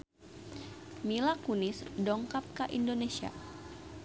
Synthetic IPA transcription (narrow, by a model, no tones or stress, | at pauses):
milakunisdɔŋkap̚kaʔindonesia̰